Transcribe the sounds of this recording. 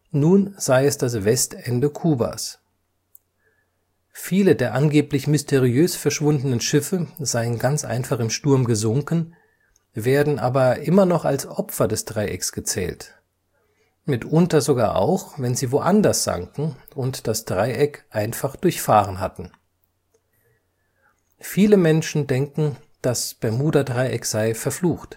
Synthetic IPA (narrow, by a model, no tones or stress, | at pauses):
nuːnz̥aɪɛsd̥as̬v̥ɛstɛndəkʰuːba̰s | fiːlədeːɐʔanɡeːplɪçmʏstʰeʁiøːsfɛɐʃv̥ʊndənənʃɪfəzaɪənɡant͡sʔa̰ɪnfaχɪmʃtʊɐmɡəzʊŋkn̩ | veːɐdn̩ʔa̰ːbɐʔɪmɐnɔχa̰lsʔɔpfɐdɛsd̥ʁaɪʔɛ̰ksɡ̥ət͡sɛ̰ːlt | mɪtʔʊntɐzoɡaːɐʔa̰ʊxvɛnziːvoʔandɐsz̥a̰ŋkŋ̩ | ʊntd̥asd̥ʁaɪʔɛkʔaɪnfaχd̥ʊɐçfaːʁ̞ənɦa̰tn̩ | fiːləmɛnʃn̩dɛŋkŋ̩ | d̥asb̥amuːdɐdʁaɪʔɛkz̥aɪfɛɐfluːxt